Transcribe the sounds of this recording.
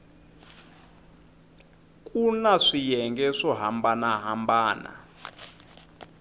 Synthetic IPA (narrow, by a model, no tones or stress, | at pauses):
kʼunaʂijɛŋɡɛʂɔɦambanaɦambaːna̰